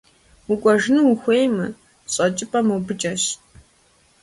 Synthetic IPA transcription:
ukʷʼɔʒɨnɨwxʷejmɨ̰ | ɕʼɐt͡ʃʼɪpʼɐmuwbɨt͡ʃʼɐʃ

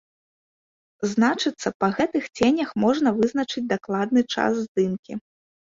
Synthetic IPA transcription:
znat͡ʂɨt̪sːɐpɐɣɛt̪ɨxt͡sʲenʲɐxmɔʐnɐvɨzn̪ɐt͡ʂɨd͡zʲd̪aklˠad̪̚nɨt͡ʂa̰szd̪ɨnkʲi

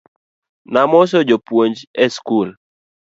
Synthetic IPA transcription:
namɔs̬ɔd͡ʒopwoɲd͡ʒɛskul

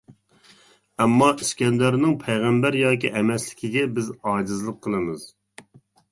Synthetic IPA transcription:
ɛmːɑʔyskʲɛnd̪ɛɾnɪŋpʰɛjʁæmbæɾjɑːkʲiʔɛmɛslɪkʲʰiɡʲɛbɪzɑːd͡ʒɨzlˠəqʰːəlˠɨmɨz̥

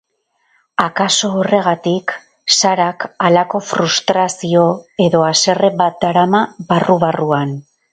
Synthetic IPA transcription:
akaso̞ːre̞ɣ̞at̪ik | saɾakalako̞fɾust̪ɾasio̞e̞ðo̞ase̞re̞bat̪̚d̪aɾamaβaruβ̞aruan

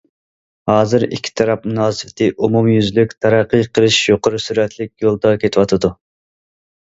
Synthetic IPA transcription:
hɑːzɨɾḭkʲʰːi̥t̪ʰɑɾɑp̚munɑːsɨfɪt̪ʰɨʔumumjyzlykʲt̪ʰɑɾɑqːɨqʰəlˠɨʃjoqʰəɾusyɾɛt̪ʰlɪk̚ʲjolˠd̪ɑkʲʰet̪ʰɪwɑt̪ʰɨd̪u

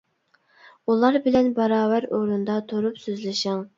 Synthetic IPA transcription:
ulˠɑɾbɪlɛnbɑɾɑːvæɾoɾund̪ɑt̪ʰoɾupsøzlɪʃɪŋ

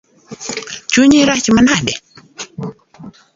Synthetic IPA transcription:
t͡ɕuɲiɾat͡ɕimənʰade

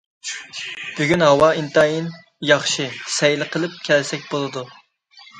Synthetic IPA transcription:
b̥yɡʲynɦɑwɑint̪ɑjin | jɑχʃɨsɛjlɪqʰəlˠɨp̚kʲʰɛlsɛk̚ʲbolˠɨd̪u

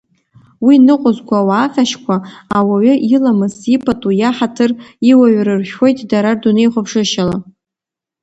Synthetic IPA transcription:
winɨqʷʼʊzkʷawaːχʲaʃkʷʰaːwaɥʏʔilamɨsipʰʼatʼujaħatʰɨriwaɥrɨrʃᶣwo̞jtʼdaɾardunejχʷʊpʰʂɨʃala

